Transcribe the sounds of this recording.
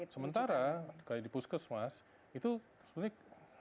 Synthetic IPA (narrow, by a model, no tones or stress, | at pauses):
səmənt̪aɾakaadipuskəsmas | it̪u | sə̥bəɲa